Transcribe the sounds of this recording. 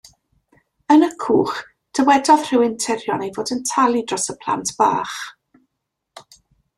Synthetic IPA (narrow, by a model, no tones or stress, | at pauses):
ənəkʰṵːχ | d̥əwɛdɔð̥r̥ɪwɪntʰɪɾjɔnejvoːdəntʰalˠidrɔsəpʰl̥ˠa̰ntʰb̥a̰ːχ